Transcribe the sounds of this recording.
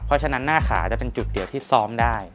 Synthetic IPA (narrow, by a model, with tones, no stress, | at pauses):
pʰɔ˦˥t͡ɕʰa˧na˦˥nːaː˥˩xʰa̰ː˩˦t͡ɕa˨˩pe˧nt͡ɕu˨˩t̪̚di˩˦wt̪ʰiː˥˩sɔː˦˥mdaː˥˩j